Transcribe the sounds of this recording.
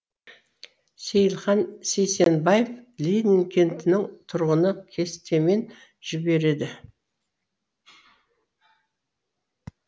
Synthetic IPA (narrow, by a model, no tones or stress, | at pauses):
se̞jəlˠχɑnse̞jse̞nbajeflʲijd̪nʲɪŋkʲʰe̞nt̪ɪnɪŋt̪ʰʊɾʁənəkʲʰe̞st̪e̞me̞n | ʒ̥ɪbe̞ɾe̞d̪ɪ